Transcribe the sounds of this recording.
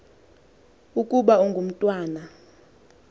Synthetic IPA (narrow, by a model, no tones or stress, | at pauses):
ukʼuɓauŋɡʱum̩tʼwaːna